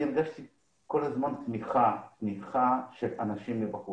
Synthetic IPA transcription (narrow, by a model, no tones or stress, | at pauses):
iɾɡaʃt̪i | ko̞lazmantmiχat̪miχaʃelanaʃimlebaχu